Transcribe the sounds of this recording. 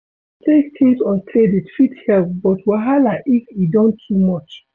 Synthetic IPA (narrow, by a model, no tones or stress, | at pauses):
tʰektʰĩsɔ̃ntʰleditfithɛlp̚bɔtwaɦalaʔifidɔ̃ntʰːumɔt͡ʃ